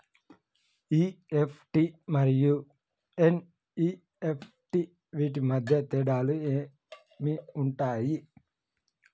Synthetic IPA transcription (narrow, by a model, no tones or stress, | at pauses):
iːepʰʈimɐɾiju | en | iː | epʰ | ʈi | ʋiːʈ̬imɐd̪ʱjɐt̪ɛːɖaːlueː | miuɳʈaːji